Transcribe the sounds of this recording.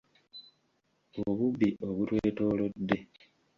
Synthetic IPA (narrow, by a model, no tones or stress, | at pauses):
oβuβːiʔo̞βutweːtoːlodːe̞